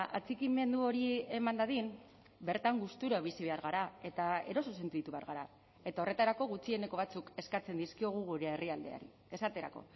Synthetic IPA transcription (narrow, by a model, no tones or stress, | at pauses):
a̰t͡sikime̞nd̪uo̞ɾie̞mand̪aðin | be̞ɾt̪aŋɡust̪uɾoβ̞isiβ̞e̞aɾɣaɾae̞t̪aeɾo̞suse̞nt̪iit̪uβe̞a̰ɾɣaɾa | e̞t̪ao̞re̞t̪aɾako̞ɣut͡sie̞ne̞ko̞βat͡suke̞skat͡se̞nd̪iskio̞ɣ̞uɣuɾeeriald̪e̞̰a̰ɾḭ | e̞sat̪e̞ɾa̰ko̞̰